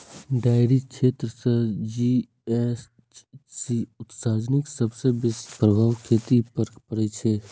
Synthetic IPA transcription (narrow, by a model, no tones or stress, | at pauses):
ɖaːɪɾit͡ʃʰeːt̪ɾəsəd͡ʒiː | ɛs | siʊt̪saːd͡ʒnɪksɐbsebɪspɾəbʱaːwkʰeːt̪ipəpəɾet͡ʃʰe